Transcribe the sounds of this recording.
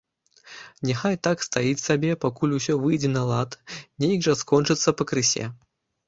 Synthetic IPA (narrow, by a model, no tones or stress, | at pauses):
nʲɛxajt̪akst̪ajit͡sʲsabʲɛpakulʲusʲɔvɨjd͡zʲɛnɐlˠat̪nʲejɡʐɐskɔnt͡ʂɨt̪sːɐpɐkɾɨsʲɛ̰